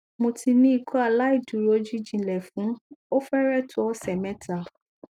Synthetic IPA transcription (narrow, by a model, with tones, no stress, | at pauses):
mõ˧ti˧nĩ˦i˦˧kɔ˦a˨la˦i˦˨du˨ɾo˧˦d͡ʒi˦d͡ʒĩ˧˨lɛ˨fũ˨˦o˦fɛ˦ɾɛ˦tu˦ɔ˦sɛ˨mɛ̃˦tʰa˦˨